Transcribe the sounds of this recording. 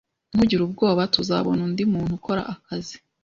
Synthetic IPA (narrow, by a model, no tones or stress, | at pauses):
m̥uɟiɾub̚ɡo̞ːβatuza̰βo̞nundimuːn̥huko̞ɾa̰ʔakazi̥